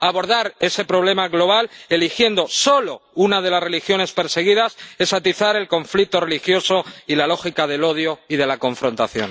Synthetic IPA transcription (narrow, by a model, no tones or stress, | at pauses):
aβo̞ɾð̞aɾe̞se̞pɾo̞β̞le̞maɣlo̞β̞ale̞lixje̞nd̪o̞so̞lo̞unað̞e̞lasre̞lixjo̞ne̞spe̞ɾse̞ɣ̞iðase̞sat̪iθaɾe̞lko̞ɱflik̚t̪o̞re̞lixjo̞so̞ilalo̞xikaðe̞lo̞ð̞jo̞iðe̞lako̞ɱfɾo̞nt̪aθjo̞̰n